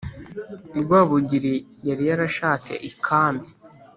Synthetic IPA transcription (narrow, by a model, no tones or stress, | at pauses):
ɾɡwaːβuɟiɾijaɾijaɾaʃaːt͡se̞̰ʔikʰaːmbi